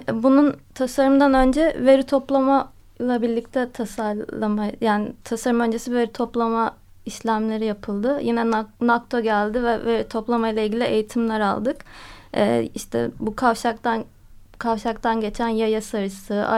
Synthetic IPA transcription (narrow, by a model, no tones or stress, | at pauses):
bununt̪ʰasaɾɯmd̪anø̞nd͡ʒɛve̞ɾit̪ʰo̞plˠama | lˠabilʲic̚t̪ʰɛt̪ʰasaɾˠamajaːnɪt̪ʰasaɾɯmø̞nd͡ʒe̞sive̞ɾit̪ʰo̞plˠama | iʃlʲæmlʲe̞ɾijapʰɯlˠd̪ɯjinɛnak̚t̪ʰo̞ɟælʲd̪ɪvɛveɾit̪ʰo̞plˠamajlˠailʲɡɟilʲie̞jit̪ʰimlʲæɾa̰lˠd̪ɯkɛ̰ːiʃt̪ʰɛ̰bukʰavʃakt̪an | kʰavʃakt̪ʰanɟe̞t͡ʃʰænjajasaɾɯsɯa̰